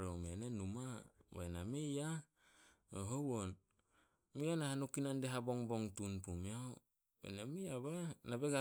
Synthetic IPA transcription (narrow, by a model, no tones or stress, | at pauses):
ɾowmenenumaba̰jnameja | oɦowon | mijanahanokinandeɦaboŋboŋtunpumiao | bḛnamejabanabeɡa